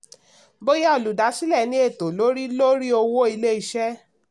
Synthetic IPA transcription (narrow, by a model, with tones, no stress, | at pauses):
bo˦ja˦ɔ˨lu˨da˨˦si˦lɛ˦˨nĩ˨˦e˦˨to˨lo˨˦ɾi˦lo˦ɾi˦o˧wo˦i˧le˦i˨˧ʃɛ˦